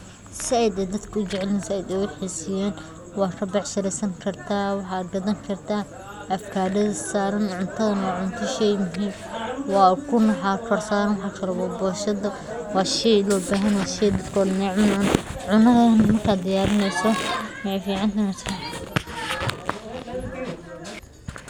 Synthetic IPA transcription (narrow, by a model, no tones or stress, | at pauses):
sɪɛjd̪ɛːd̪ɐd̪kʰɐʊd͡ʒɛʕlinsɪjd̪ɛʊħiːsɪjɛːn | wɑːkʰɐbɑʕʃɐɾɛsɐŋkʰɐrt̪ʰaːwɑħɑːd̪̚ɡɐðɐŋkʰɐrt̪ʰaː | ɐfkʰaːɖɐðɐsaːɾɐnʕʊnt̪ʰɐðɐnɔːʕʊnt̪ʰɐʃɛjmʊɦiːm | wɑːkʰʊnɐħɑːkʰɔrsaːɾɐnwɑħɑːkʰɐlɔwɑːbɔːʃɐðɐ | wɑːʃɛjlɔːbaːɦɐnwɑːʃɛjd̪ɐd̪kʰɔd̪nɛːʕʊnʕʊnʕʊnɐɣɐnmɐrkʰaːd̪d̪ɐjaːɾɪnɛsɔmɛfiːʕɑnt̪ʰɐnɛsɐ